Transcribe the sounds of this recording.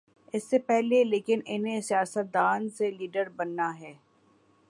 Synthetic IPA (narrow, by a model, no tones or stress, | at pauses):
ɪsːepɛɦleleːkɪnɪnɦẽsijaːsət̪̚d̪aːnseliːɖəɾbɐnːaɦɛː